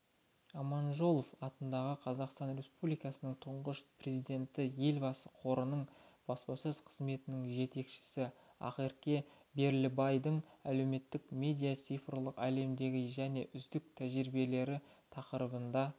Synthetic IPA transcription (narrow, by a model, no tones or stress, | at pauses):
ɑmɑnʒo̞lˠofɑt̪ənd̪ɑʁəqʰɑzɑqst̪ɑnre̞spublijkɑsənəɴt̪ʰʊɴʁəʃpʰrʲe̞zijd̪e̞nt̪ɪje̞lʲbɑsə̥qʰo̞ɾənəɴb̥ɑspɑsəzqʰəzme̞t̪ɪnɪŋʒe̞t̪e̞kʃɪ̥sɪ | ɑ̰qeɾkʲe̞ | be̞ɾlɪbɑjd̪əɴæle̞wme̞t̪ːɪkmʲe̞d̪ʲijat̪sijfrlˠəqæle̞md̪e̞ɡʲɪʒæne̞ʔʏzd̪ɪk̚t̪ʰæʒɾɪbe̞le̞ɾɪt̪ʰɑqəɾəbənd̪ɑ